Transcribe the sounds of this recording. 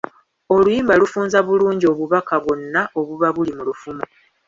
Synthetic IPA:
o̞lujiːmbalufuːnzaβuluːɲɟio̞βuβakaβwo̞nːaʔo̞βuβaβulimulufumo

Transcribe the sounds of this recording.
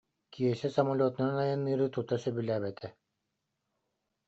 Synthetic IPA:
kʰiɛsɛsɐmalʲoːt̪inanajanːɯːɾɯt̪ut̪asœbylæːbɛt̪ʰɛ

